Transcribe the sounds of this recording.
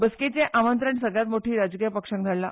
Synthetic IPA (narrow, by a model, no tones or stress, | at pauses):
bəsket͡ɕeʔamənt̪ɾəɳsəɡɭjat̪moʈʰiːɾad͡zkijəpəkʂə̃ŋɡd͡z̪ʱalla